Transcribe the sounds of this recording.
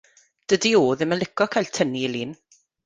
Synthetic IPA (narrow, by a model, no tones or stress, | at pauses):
d̥ədioːðɪməlɪkʰɔkʰajltʰəniliːn